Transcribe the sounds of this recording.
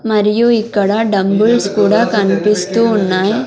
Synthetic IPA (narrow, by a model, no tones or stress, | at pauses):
mɐɾɪjoːikːɐɽaːɖɐmbɯlskuːɽakɐnpɪst̪uːnːaːj